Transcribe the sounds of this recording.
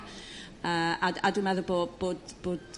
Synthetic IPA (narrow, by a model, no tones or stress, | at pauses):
əːadadumɛðʊboːboːdb̥oːd